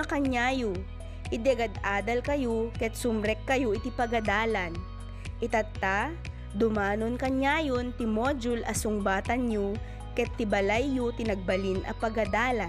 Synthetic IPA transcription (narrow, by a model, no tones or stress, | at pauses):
ɐkɐɲaːjo | ʔɪd̪ɛɐɡɐd̪aːd̪ɐlkɐjokɛt̪̚sʊmɾɛkːɐjoʔɪt̪ipɐɡɐd̪aːlɐn | ʔɪt̪ɐt̪ːa | d̪ʊmaːnonkɐɲaːjont̪ɪmoːd͡ʒʊlʔɐsʊŋbaːt̪ɐnɲo | kɛt̪ːɪbɐlajːot̪ɪnɐɡ̚bɐlinʔɐ̰pɐɡɐd̪aːlɐ